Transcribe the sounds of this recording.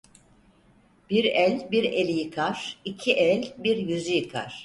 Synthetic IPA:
b̥iɾɛlʲbiɾelʲijɯkʰaɾ̥icʰiʔɛlʲbiɾjyzyjɯkʰa̰ɾ̥

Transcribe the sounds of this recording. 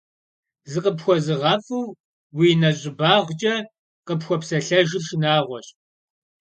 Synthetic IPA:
zɨqəpxʷɔzɨʁɐfɨw | wiːnɐɕʼɪbaːʁʷt͡ʃʼɐ | qəpxʷɔpsɐɬɐʒɪʃɪnaːʁʷɔɕ

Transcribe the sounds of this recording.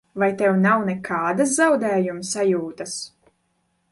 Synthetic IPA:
vajt̪ɛwnawnɛkʰaːd̪aszawd̪ɛːjumsajuːt̪as

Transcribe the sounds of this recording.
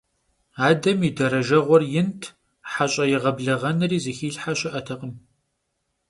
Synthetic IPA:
aːdɐmidɐɾɐʒɐʁʷɔrjɪntʰ | ħaɕʼɐjɪʁɐbɮɐʁɐnɨriːzixiːɬħaɕʼɪʔɐtʰɐqʼəm

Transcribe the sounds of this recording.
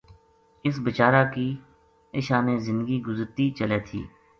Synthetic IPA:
ɪsbɪt͡ʃaːɾaːkiː | ɪʃaːnẽːzɪ̃nd̪əɡiɡʊzəɾt̪it͡ʃəleːt̪ʰḭː

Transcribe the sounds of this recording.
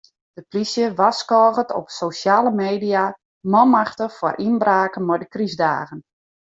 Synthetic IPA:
d̥əplisjəʋaskɔːɣətɔ̰psowʃjaːləmeːdija | mɔmaxtəfɔrʔinbraːkənmɔjdəkrizda̰ːɣən

